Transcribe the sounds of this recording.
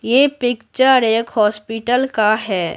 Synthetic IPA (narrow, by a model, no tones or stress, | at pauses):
jeːpɪkt͡ʃəɾeːkɦɔːspɪʈəlkaɦɛː